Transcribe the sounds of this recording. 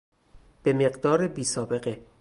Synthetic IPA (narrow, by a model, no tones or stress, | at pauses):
b̥e̞me̞ɢd̪ɒːɾebiːsɒːbe̞ɣe